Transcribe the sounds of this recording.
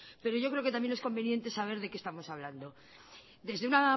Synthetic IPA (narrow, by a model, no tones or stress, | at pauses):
pe̞ɾo̞ʝo̞kɾeoket̪amje̞nesko̞mbe̞nje̞nt̪e̞saβ̞e̞ɾðe̞kest̪amo̞saβland̪o̞ | d̪e̞zðeuna